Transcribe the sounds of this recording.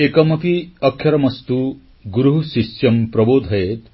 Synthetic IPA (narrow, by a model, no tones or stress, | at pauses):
ekɔmɐkiɐkʰːjɐɾɐmɐst̪u | ɡuɾuɦusisjɐmpɾɔboːd̪ʱɐjet̪